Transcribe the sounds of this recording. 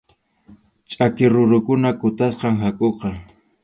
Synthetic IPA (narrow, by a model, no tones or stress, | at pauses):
t͡ʃʼakɪɾʊɾʊkʊnakʊt̪asqɑŋɦakʼoqɑ